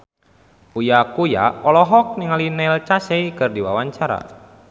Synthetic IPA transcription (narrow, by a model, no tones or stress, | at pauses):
ujakuja̰ɔlɔɦɔk̚niŋalinɛlt͡ʃasɛikɨrdiwawaɲt͡ʃaɾa̰